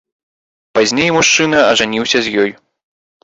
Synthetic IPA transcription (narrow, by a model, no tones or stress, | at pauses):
pazʲnʲejmuʂt͡ʂɨn̪ɐɐʐanʲiwsʲɐzʲjɔj